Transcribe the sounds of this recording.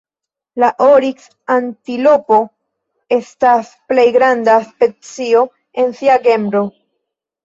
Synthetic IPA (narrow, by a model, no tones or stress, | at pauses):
laʔoɾiks | antilo̞po̞ | e̞stas | ple̞jɡɾandaspe̞t͡sio̞ | e̞nsiaɡe̞mbɾo̞